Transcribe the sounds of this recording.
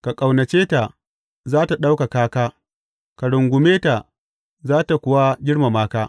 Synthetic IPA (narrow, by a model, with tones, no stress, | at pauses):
ka˨kʼa˨wnɐ˨t͡ʃeː˦ta˨ | zaː˦ta˨ɗa˦wka˨kaː˦kaː˦ | ka˨ɽʊ˨ŋɡʷʊ˨meː˦ta˨ | zaː˦ta˨kʷʊ˦wa˦ɡʲɪ˦ɽma˨maː˦kaː˦